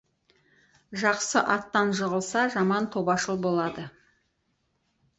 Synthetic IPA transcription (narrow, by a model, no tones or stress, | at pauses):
ʒɑqsəʔɑt̪ːɑnʒəʁəlˠsɑʒɑmɑnt̪ʰo̞bɑʃəlˠbo̞lˠɑd̪ə